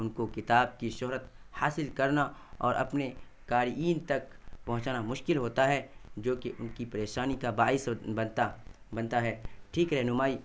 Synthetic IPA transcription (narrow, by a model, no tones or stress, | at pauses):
ʊnkokɪt̪aːb̚kiʃʊɦɾət̪̚haːsɪlkɐɾnaɔ̰ːɾʔɐ̰pne | kaːɾiːnt̪ɐkpɐɦʊ̃t͡ʃaːnamʊʃkɪlɦoːt̪aɦɛd͡ʒoːkeʔʊnkipɐɾeːʃaːnikabaːɪsbɐt̪a | bɐnt̪aɦɛːʈʰiːkɾɛɦnʊmaːiː